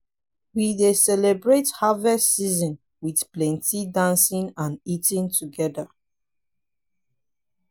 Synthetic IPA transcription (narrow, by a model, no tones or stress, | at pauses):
widesɛlɛbɹethavɛstsizɔ̃n | wiθplɛ̃ntidãnsĩnãnitĩntʰuɡɛda